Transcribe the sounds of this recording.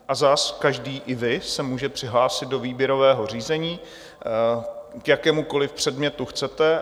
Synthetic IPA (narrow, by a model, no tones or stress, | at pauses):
ʔazaskaʒdiːʔɪvɪsɛmuːʒɛpr̥ɪɦlaːsɪt̪̚do̞viːbjɛɾo̞vɛːɦo̞r̝iːzɛɲiː | kjakɛːmuko̞lɪfpr̥ɛdmɲɛt̪uxt͡sɛt̪ɛ